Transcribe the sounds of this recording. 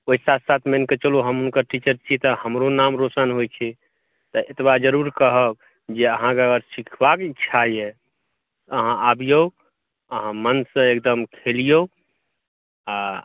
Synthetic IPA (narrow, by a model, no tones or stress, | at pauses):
oisat̪ʰsat̪ʰmenket͡ʃəluɦəmunkəɾʈit͡ʃəɾt͡ʃʰit̪ɔhəmɾonamɾosənɦojt͡ʃʰɛ | t̪əʔet̪bad͡ʒəɾuɾkəɦəb | d͡ʒeəɦãkeəɡəɾsikʰbakːt͡ʃʰajɛ | əɦãʔabijo | əɦãmənsə̃ekd̪əmkʰelijo | a